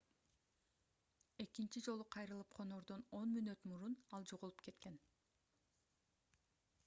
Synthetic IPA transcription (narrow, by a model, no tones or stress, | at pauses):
e̞kint͡ʃid͡ʒo̞lˠuqʰɑjɾɯlˠɯp̚qʰo̞noɾd̪ono̞nmynøt̪muɾunɑlˠd͡ʒo̞ʁulˠup̚ke̞t̪ke̞n